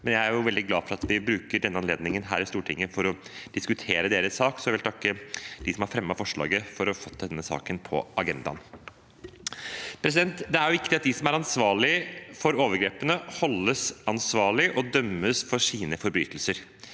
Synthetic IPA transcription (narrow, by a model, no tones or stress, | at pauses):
mɛnjæɪæɾjʊʋɛld̪ɪɡlɑːfɔɾɑt̪ʋɪbɾʉːkəɖɛnːəɑnleːd̪nɪŋənɦæ̰ːɾɪst̪uːʈʰɪŋːəfɔɾɔd̪̥ɪskʉt̪ʰeːɾəd̪eːɾəsːɑːksɔʋɪlt̪ʰɑkːəd̪ɪsɔmhɑɾfɾɛmːɑfɔʂɭɑ̰ːɡəfɔɾɔfɔt̪̚ːd̪ɛnːəsɑ̰ːkənpʰɔ̰ʔɑɡɛnd̪ɑ̰n | pʰɾɛs̬ɪd̪ɛnt̪d̪ɛæɾjʊʋɪkːt̪ɪɑt̪̚d̪ɪsɔmæɾɑnsʋɑːɭɪfɔɾoːʋəɾɡɾeːpənəhɔlːəsɑnsʋɑːɭɪʔɔd̪œmːəsfɔʂiːnəfɔɾby̰ːt̪ʰəlsəɾ